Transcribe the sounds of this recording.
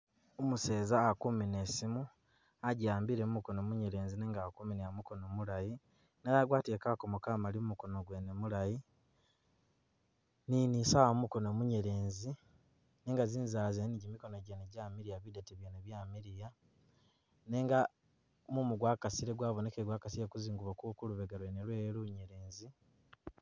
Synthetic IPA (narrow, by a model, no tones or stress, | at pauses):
omuseːzaːkuminesimu | aɟaːmbiɾemumuko̞nomuɲeɾe̞ːnzineːŋɡakumineamuko̞nomulaji | nejaɡwaːtiekakomukaːmalimumuko̞noɡwenemulaji | ninisawamumuko̞nomuɲeɾe̞ːnzi | neːŋɡaziːnzaːzeniɟimiko̞noɟeneɟamiɾijaβideteβjeneβjaːmiɾija | neːŋɡa | mumuɡwaːkasiɾeɡwaːβone̞keɡwakasijekuziːŋɡuβokukuluβeɡalwenelweːluɲe̞ɾe̞ːnzi